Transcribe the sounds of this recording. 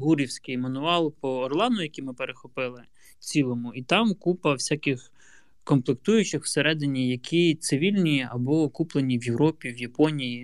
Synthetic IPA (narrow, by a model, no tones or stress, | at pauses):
ɦuɾʲiwsʲkɪjmɐnʊɑlˠpɔːrlˠɑnʊjɐkʲimɪpeɾexɔpɪlˠɪ | t͡sʲilˠɔmʊit̪ɑmkupɐwsʲakʲɪx | kɔmplˠɪkt̪ujʊt͡ʃɪxw̥seɾɛd̪ɪnʲijɐkʲʰit̪sɪʋʲilʲnʲiɐbɔkuplˠenʲiwjewɾɔpʲiwjɐpɔnʲiji